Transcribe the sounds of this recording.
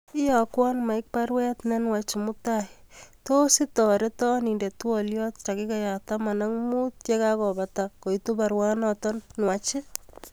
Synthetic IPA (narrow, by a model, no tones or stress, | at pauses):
ɪjakwanmaɪk̚paɾwɛtnɛnwat͡ʃɪmutaitositɔɾetɔnindetuɔljɔt̚t͡ʃakikajatamanaŋmut̚t͡ʃekakɔbatakoitubaɾwanɔtɔnnwat͡ʃɪ